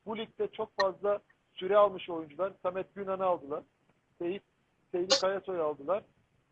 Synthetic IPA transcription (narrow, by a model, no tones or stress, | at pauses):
bulʲic̚ʲt̪ʰɛt͡ʃʰo̞kfazlˠa | syɾɛalˠmɯʃo̞jund͡ʒulˠaɾsʰamɛt̪̚ɟynanɯalˠd̪ɯlˠaɾ̥ | seji | sejlʲikajaso̞jalˠd̪ɯlˠaɾ̥